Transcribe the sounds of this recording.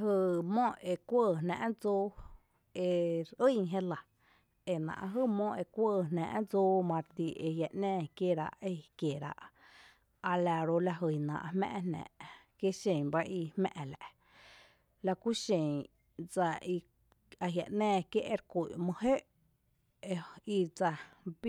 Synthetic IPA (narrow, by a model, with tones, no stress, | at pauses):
ɦɨ˧˨mɔ̃˦e˧kʷəː˦˧˨næ̰̃˧ʔd͡zoː˦ | e˧ɾɨ˦˨ɦe˦la˨ | e˨nã̰˨ʔɦɨ˦mɔ̃˦ʔe˧kʷəː˦˧˨næ̰̃ː˧˨ʔd͡zoː˦mã˧ɾt̪i˧ʔe˧ja˨ʔnɛ̃ː˧kje˦ɾa̰˧ʔe˧kje˨ɾa̰˧ʔ | a˧la˧ɾo˧la˧ɦɨ˨nã̰˧ʔa˧hmɛ̰̃ː˧ʔnnæ̰̃ː˨ʔ | kje˦ʃẽ˨ba˦ʔi˧hmɛ̰̃˧ʔlæ̰˧˨ʔ | la˧ku˦ʃẽ˨ŋ | d͡za˧i˧ | a˧ɦja̰˨ʔnɛ̃ː˧˨kje˦ʔe˧ɾkʷu˨ʔmɨ̃˧he˦ʔ | i˧d͡za˧b